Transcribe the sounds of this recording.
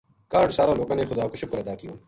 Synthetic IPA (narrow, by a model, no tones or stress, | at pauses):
kaːɖsaːɾãːloːkãːneːxʊd̪aːkoʃʊkɾed̪aːkijõː